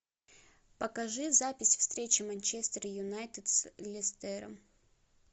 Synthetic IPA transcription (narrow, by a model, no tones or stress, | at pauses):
pɐkɐʐɨzapʲɪsʲfst̪ɾʲet͡ɕɪmɐnʲt͡ɕest̪əɾəjʊnajt̪ɨt̪slʲɪst̪ɛɾə̰m